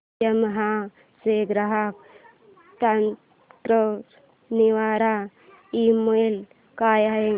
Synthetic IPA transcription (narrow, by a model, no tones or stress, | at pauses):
ɐmɐɦa | seːɡɾɐɦak | t̪an | tɾo | niʋaːɾa | imojl | kaːjae